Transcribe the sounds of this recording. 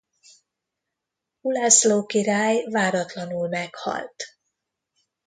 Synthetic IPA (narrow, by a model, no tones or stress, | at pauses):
ulasloːkiɾaːjvaːɾɒt̪lɒnulmɛkhɒ̰lt̪